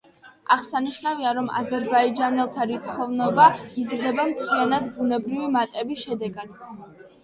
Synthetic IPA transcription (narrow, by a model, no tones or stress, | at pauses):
aʁsaniʃnaviaɾɔma̰zɛɾbaid͡ʒanɛlˠt̪ʰaɾit̪sʰχɔvnɔbaizɾd̪ɛbamt̪ʰianad̪bunɛbɾivimat̪ʼɛbisʃɛd̪ɛɡad̪̥